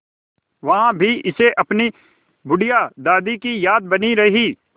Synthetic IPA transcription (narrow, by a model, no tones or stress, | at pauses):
ʋɐɦãbʱiʔɪseʔɐpni | bʊɽijad̪aːd̪ikijaːd̪̚bɐniɾɐɦiː